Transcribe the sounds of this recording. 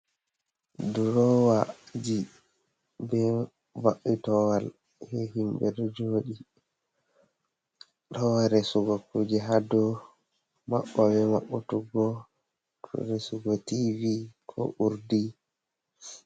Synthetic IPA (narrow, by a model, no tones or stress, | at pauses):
duɾɔwad͡ʒi | bɛ | vaɓitɔwal | hɛhimbɛdɔd͡ʒoɗi | tɔwaɾɛsuɡɔkud͡ʒɛɦadɔ | ma̰ɓːɔbɛmaɓːɔtuɡɔ | tʰɔ̰ɾesuɡɔtivikʰɔ̰ʔuɾdi